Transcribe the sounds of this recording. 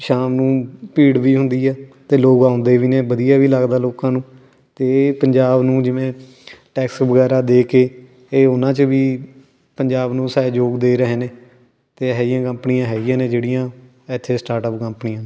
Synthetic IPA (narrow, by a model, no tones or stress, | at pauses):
ʃaːmnũːpiːɽʋiːɦʊnd̪iːɛːt̪eːloːɡaːʊnd̪eːʋiːneːbəd̪ijaːʋiːlaɡd̪aːloːkãːnũː | t̪eːpəɲd͡ʒaːbnũːd͡ʒɪʋẽː | ʈɛːksʋəɡɛːɾaːd̪eːkeː | eːʊnãːt͡ʃəʋiː | pəɲd͡ʒaːbnũːsaːed͡ʒoːɡd̪eːɾəɦeːneː | t̪eːɦɛːjãːkəmpnijãːɦɛːɪjãːnẽːd͡ʒeːɽijãː | ɛt̪ʰːeːsʈaːɾʈəpkəmpnijãː